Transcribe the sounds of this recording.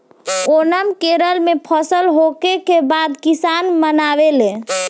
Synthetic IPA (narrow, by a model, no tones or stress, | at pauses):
onəmkeɾəlmepʰəsəlɦokekebad̪kisanmənaʋelẽ